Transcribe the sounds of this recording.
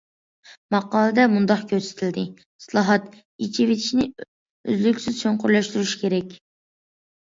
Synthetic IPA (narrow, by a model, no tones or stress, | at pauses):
mɑqɑːlˠɨd̪ɛmund̪ɑqkʲʰøsɪ̥t̪ʰɪld̪ɪ | islˠɑɦɑt̪ | it͡ʃʰivet̪ʰi̥ʃinɪ | ø̰zlykʲsɪz̥t͡ʃʰoɴqʰʊɾlˠɑʃt̪yɾyʃkʲʰeɾɛkʲ